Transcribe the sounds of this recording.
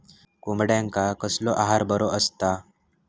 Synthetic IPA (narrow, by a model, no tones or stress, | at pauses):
kumbɽjaŋkakəslɔʔaɦaɾbəɾoʔəst̪a